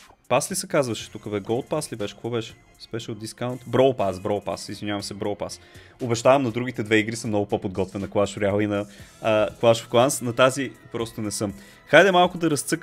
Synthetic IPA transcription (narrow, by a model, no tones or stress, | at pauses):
paslisɛkazvɐʃɛ̥t̪ukəbɛɡɔlˠt̪̚paslibɛʃɛ̥kkvɔbɛʃɛ̥ | sbɛʃɛot̪d̪d̪iskaʊnt̪bɾɔlˠpasbɾɔlˠpa̰sizvinʲjavɐmsɛbɾɔwˠpas | obɛʃt̪avɐmnɐd̪ɾuɡ̟it̪ɛd̪vɛiɡɾisəmnɔɡʊpopod̪ɡɔt̪vɛnːɐklˠaʃʊɾɛalˠinɐ | klˠaʃo̥fklˠansnɐt̪azipɾɔst̪onɛsɤm | xajd̪ɛmalˠkʊd̪ɐɾɐst̪sɤk